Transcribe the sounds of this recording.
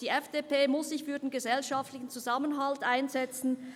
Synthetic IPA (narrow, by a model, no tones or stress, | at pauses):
d̥iːɛfd̥eːpeːmʊsz̥ɪçfyːɐdeːnɡəzɛlʃaftlɪçn̩t͡suzamənɦaltʔaɪnzɛt͡sn̩